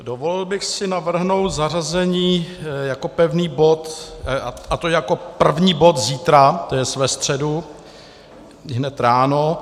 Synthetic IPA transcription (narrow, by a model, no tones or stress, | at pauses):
dovolɪlbɪxsɪnavr̩ɦno̞wt̪zarazɛɲiːjako̞pɛvniːbo̞t̪aat̪ojjako̞pr̩vɲiːbo̞t̪ziːt̪ɾat̪ojɛsvɛst̪r̝̥ɛdu | ɦnɛt̪ɾaːno